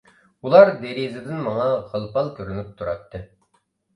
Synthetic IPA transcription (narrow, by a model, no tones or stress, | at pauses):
ulˠɑɾd̪eɾizɪd̪ɪnmɑŋɑʁəlˠpɑlˠkʲʰøɾynyp̚t̪ʰuɾɑ̰t̪ːɨ